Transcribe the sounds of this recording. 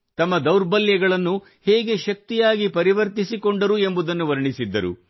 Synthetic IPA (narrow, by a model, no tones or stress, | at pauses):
t̪ɐmːɐd̪ɐwɾbɐljɐɡɐɭɐnːu | hɛːɡe̞ʃɐk̚t̪ijaːɡipɐɾiʋɐɾt̪isiko̞ɳɖɐɾue̞mbud̪ɐnːuʋɐɾɐɳisid̪ːɐɾṵ